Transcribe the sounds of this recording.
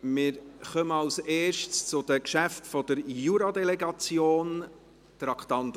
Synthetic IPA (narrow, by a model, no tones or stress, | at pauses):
mɪːɾχœməɑwseːʃtst͡sʊd̥̪əkʃæftfɔd̥̪əɾjuɾɑd̪ɛleɡɑt͡sjoːn | t̪ɾɑkʰt̪ɑnt̪